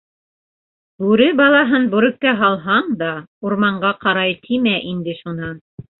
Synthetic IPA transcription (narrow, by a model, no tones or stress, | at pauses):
bʉɾɘbɑlˠɑɦɤnbʉɾɵ̆k̚k̪æɦɑlˠɦɑɴd̪ɑuɾmɑɴɢɑqɑɾɑjt̪ʰimæʔind̪ɘʃunɑn